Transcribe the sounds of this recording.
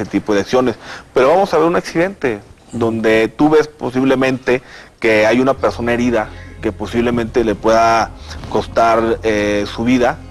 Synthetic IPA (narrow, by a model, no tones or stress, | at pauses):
et̪ipo̞ð̞eaksjo̞ne̞spe̞ɾo̞βamo̞saβe̞ɾunaksiðe̞nt̪e̞ | d̪o̞nd̪e̞t̪uβe̞spo̞siβle̞mẽnt̪e̞keajunape̞ɾso̞nae̞ɾiðake̞po̞siβle̞mẽnt̪e̞le̞pwe̞ðako̞st̪aɾesuβiða